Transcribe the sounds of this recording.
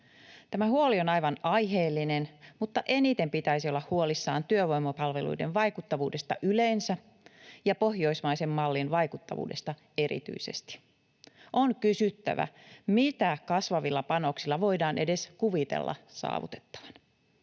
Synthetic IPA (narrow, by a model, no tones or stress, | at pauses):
t̪æmæhuolio̞nɑjʋɑnɑjɦeːlːinenmut̪ːɑʔe̞nit̪e̞mpit̪æisiolːɑhhuolisːɑːnt̪yøʋo̞jmɑpɑlʋe̞lṵjde̞̰nʋɑjkut̪ːɑʋuːde̞st̪ɑʔyleːnsæ | jɑpo̞hjo̞ismɑjse̞mːɑlːinʋɑjkut̪ːɑ̰ʋṵːde̞st̪ɑ | e̞ɾḭt̪y̰ise̞̰st̪i̥ | ʔoŋkysyt̪ːæ̰ʋæ̰mit̪ækɑsʋɑʋilːɑpɑno̞ksilːɑʋo̞idɑːnʔe̞̰de̞skuʋit̪ḛlːɑ̰sɑ̰ːʋṵt̪e̥t̪ːɑ̥ʋɑ̥n